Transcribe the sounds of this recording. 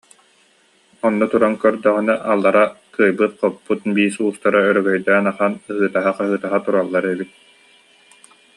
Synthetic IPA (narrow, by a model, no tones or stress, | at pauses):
ɔnːɔt̪uɾankœɾd̪œʁinɛʔalˠːaɾakɯːjbɯt̪̚qɔpːut̪biːsuːst̪aɾaœɾœɡœjd̪ɛːnaχanɯɦɯːt̪aɦaqaɦɯːt̪aɦat̪uɾalˠːaɾɛbit̪̚